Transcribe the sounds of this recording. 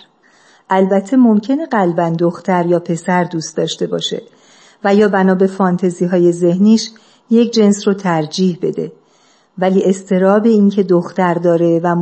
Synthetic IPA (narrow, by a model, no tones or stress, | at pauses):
ʔælbæt̪ʰːe̞mo̞mcʰe̞ne̞ɢælbænd̪oxt̪ʰæɾjɒːpʰe̞sæɾd̪uːst̪d̪ɒːʃt̪e̞bɒ̰ːʃe̞̰ | væjɒːbænɒːbe̞fɒnt̪ʰeziːɦɒːje̞ze̞hniːʃ | je̞cʰd͡ʒe̞nsrot̪ʰæɾd͡ʒiːhbe̞̰d̪e̞̰ | væliːe̞st̪ʰe̞ɾɒːbe̞iːncʰe̞d̪oxt̪æɾd̪ɒːɾe̞væm